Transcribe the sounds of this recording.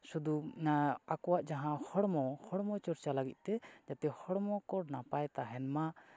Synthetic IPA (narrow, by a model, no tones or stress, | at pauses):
sud̪u | akɔwaʔd͡ʒaɦãhɔɽmɔhɔɽmɔt͡ʃɔɾt͡ʃalaɡit̪̚ˀt̪ɛd͡ʒat̪ɛhɔɽmɔkɔɽnapajt̪aɦɛnma